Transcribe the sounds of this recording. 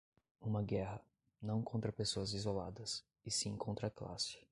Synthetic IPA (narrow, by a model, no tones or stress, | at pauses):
ũmɐɡɛhɐ | nɐ̃w̃kõnt̪ɾɐpesoɐzizola̰d̪ɐs | ɪsɪẽkõnt̪ɾɐkla̰sɪ̥